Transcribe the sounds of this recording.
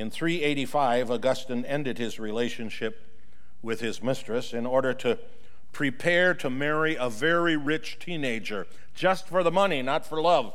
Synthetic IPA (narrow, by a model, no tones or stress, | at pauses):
ɨ̃nθɹieɪɾifaɪvəɡʌstɨ̃nɛ̃ndɨd̚ɪzɹileɪʃɨ̃nʃɪp̚ | wɪð̥ɪzmɪstɹ̥ɨsɨ̃nɔɹɾə˞ɾɨ | pʰɹ̥ipʰɛɹɾɨmɛɹiəvɛɹiɹɪt͡ʃtʰĩneɪd͡ʒə̥˞ | d͡ʒʌstfə˞ðəmʌninətfə˞lʌv̥